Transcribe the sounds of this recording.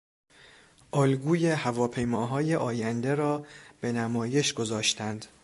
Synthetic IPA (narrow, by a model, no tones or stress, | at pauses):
ʔɒːlɡuːjehævɒːpʰe̞jmɒːɦɒːje̞ʔɒːjænd̪eɾɒːb̥e̞næmɒːje̞ʃɡo̞zɒːʃt̪ʰænd̪̥